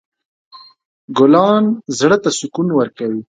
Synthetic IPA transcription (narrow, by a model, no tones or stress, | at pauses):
ɡʊlɑːnzɽət̪asʊkunwəɾkawi